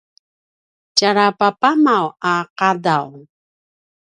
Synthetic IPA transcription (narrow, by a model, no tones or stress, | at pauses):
caɾapapamawaqadaw